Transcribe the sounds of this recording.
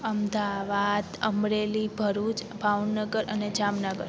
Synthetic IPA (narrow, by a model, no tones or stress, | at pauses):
əmd̪aʋad̪əmɾelibʱəɾut͡ʃbʱaʋnəɡəɾʔəned͡ʒamnəɡəɾ